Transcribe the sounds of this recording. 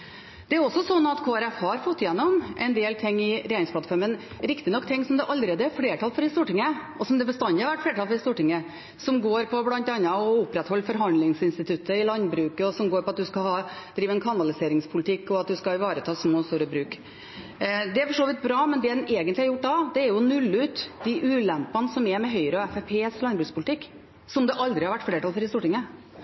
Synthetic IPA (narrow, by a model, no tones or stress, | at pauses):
d̪̥ɛæɾɔsːɔsɔnːɑt̪kʰoːɛɾɛfhɑɾfɔt̪ːjɛnːɔmʔɛnd̪eːlt̪ʰɪŋːɪɾeːɾɪŋspʰlɑt̪fɔɾmən | ɾɪkt̪ɪnɔkːt̪ʰɪŋːsɔmd̪ɛʔɑlɾeːd̪əæɾfleːʈʰɑlfɔɾɪst̪uːʈɪŋːəʔɔsɔmd̪ɛbəst̪ɑnd̪ɪɑɾʋæʈfleːʈɑlfɔɾɪst̪uːʈɪŋːə | sɔmɡoːɾpʰɔblɑnt̪ɑnːɑɔʊpːɾɛt̪hɔlːfɔɾɦɑnd̪lɪŋsɪnst̪ɪt̪ʰʉt̪ːəɪlɑnbɾʉːkəɔsɔmɡoːɾpɔɑt̪̚d̪ʉskɑɦɑː | d̪̥ɾiːʋəɛnkʰɑnɑlɪseːɾɪŋspʰʊlɪt̪ʰɪkːɔɑt̪̚d̪ʉskɑɪʋɑːɾət̪ʰɑːsmoːst̪uːɾəbɾʉːk | d̪ɛæɾfɔʂoːʋɪt̪̚bɾɑːmɛnd̪ɛd̪ɛneːɡənt̪lɪhɑɾjʊʈːd̪ɑd̪ɛæɾjʊnʉlːʉːt̪d̪ɪʔʉːlɛmpːɑnəsɔmɛmɛɦœʏɾəɔɛfɛpʰeːslɑnbɾʉːkspʰʊlət̪ɪkː | sɔmd̪ɛʔɑld̪ɾɪhɑɾʋæʈːfleːʈɑlfɔɾɪst̪uːʈɪŋːə